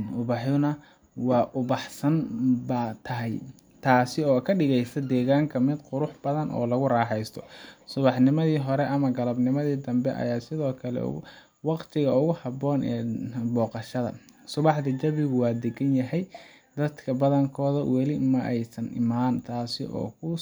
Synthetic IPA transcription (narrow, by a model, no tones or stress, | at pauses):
ʊβɑħʊnɐ | wɑːʔʊβɑħsɐnbɐt̪ʰɐɦɛj | t̪ʰaːsɪɔːkʰɐɖɪɣɛjsɐd̪ɛːɣaːŋkʰɐmɪd̪qʊɾʊħb̥ɐðɐnʔɔ̰ːlɐɣʊrɑːħɛjst̪ʰɔ̥sʊβɑħnɪmɐðiːɦɔɾɛʔɐmɐɡɐlɐbnɪmɐðiːd̪ɐmbɛ̰ʔɐ̰jaːsɪðɔːkʰɐlɛ̰ | wɑqt̪ʰɪɣɐʊɣʊhɐbɔːnʔɛ̰ːbɔːqɑʃɐðɐ̰ | sʊβɑħd̪ɐd͡ʒɐβɪɣʊwɑːd̪ɛɡɐnjɐɦɛj | d̪̥ɐd̪kʰɐbɐðɐŋkʰɔːðɐwɛlɪmɐʔɛjsɐnʔɪ̰maːnt̪ʰaːsɪʔɔ̰ːkʰʊ